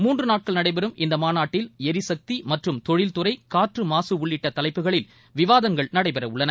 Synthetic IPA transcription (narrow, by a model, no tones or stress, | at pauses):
muːndrɯnaːʈ̚kɐɭnɐɽɐɪpɛɾɯmʔɪnd̪ɐmaːnaːʈːɪlɛɾɪsɐk̚t̪imɐʈrɯmt̪ɔɻɪlt̪ɯrɐɪkaːʈrɯmaːsɯʊɭːɪʈːɐt̪ːɐlɐɪpːɯɣɐɭɪl | ʋɪʋaːðɐŋɡɐɭnɐɽɐɪpɛɾɐʊɭːɐnɐ